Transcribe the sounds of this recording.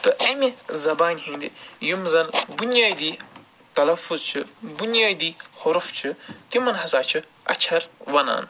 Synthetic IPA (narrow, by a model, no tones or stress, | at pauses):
t̪ɨʔɐmizɐbaːnʲɦĩːnʲd̪ijumzɐnbunjaːd̪iː | t̪ɐlɐfuzt͡ʃʰɨbunjaːd̪iːhʊɾft͡ʃʰɨt̪imɐnɦɐzaːt͡ʃʰɨ | ɐ̰t͡ʃʰɐɾʋɐna̰ːn